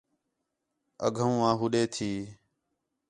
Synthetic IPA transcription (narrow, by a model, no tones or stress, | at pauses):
ə̰ɡʱəũːãːɦuɗeːt̪ʰiː